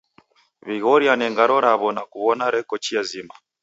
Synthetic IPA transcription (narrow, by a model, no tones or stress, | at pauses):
βiɣɔɾjanɛŋɡaɾɔɾaβɔnakuβɔnaɾɛkɔt͡ʃiazima